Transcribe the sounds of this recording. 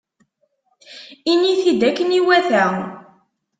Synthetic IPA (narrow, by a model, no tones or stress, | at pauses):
iniθid̪ækːəniwæθæ